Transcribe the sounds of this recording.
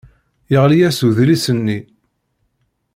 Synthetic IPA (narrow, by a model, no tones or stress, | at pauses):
jəʁlijæsuðlisənːi